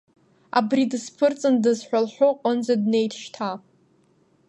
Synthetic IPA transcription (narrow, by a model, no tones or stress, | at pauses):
a̰bridɨspʰɨrt͡sʼɨndɨzħᶣʷalħʷᶣʊqʷʼənzadnejtʰʃtʰa